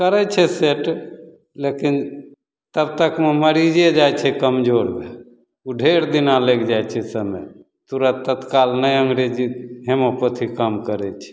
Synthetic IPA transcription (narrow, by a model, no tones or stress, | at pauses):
kəɾɛt͡ʃʰɛseʈ | lekin | t̪əb̚t̪əkmeməɾid͡ʒed͡ʒajt͡ʃʰɛkəmd͡ʒoɾbe | uɖʱeɾd̪inalekʰd͡ʒajt͡ʃʰɛsəmə̰j | t̪uɾət̪ət̪kalnəjəŋɡɾed͡ʒiɦemopot̪ʰikəmkəɾɛt͡ʃʰɛ̥